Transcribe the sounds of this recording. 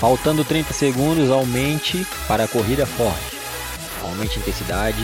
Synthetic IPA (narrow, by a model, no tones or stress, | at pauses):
fawt̪ɐ̃nd̪ʊt̪ɾĩt̪ɐseɡũnd̪ʊzawmẽnt͡ʃɪ | paɾɐːkoɦid̪ɐfɔɾt͡ʃɪ̥ | a̰wmẽnt͡ʃĩnt̪ẽsid̪ad͡ʒɪ